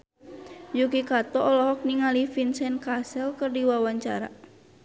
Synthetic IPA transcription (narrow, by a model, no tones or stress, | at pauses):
jukikat̪ɔɔlɔɦɔk̚niŋalifinsɛnkasɛlkərdiwawaɲt͡ʃa̰ɾa̰